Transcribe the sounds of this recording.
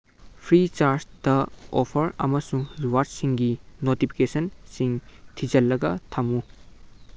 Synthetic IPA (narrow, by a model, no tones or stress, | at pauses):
pʰɾit͡ʃaɾsd̥ɐopʰɐɾɐ̰mɐsuŋɾiwaɾdsiŋɡinotipʰi̥kesɐnsiŋtʰid͡ʒɐlːɐɡɐtʰɐmu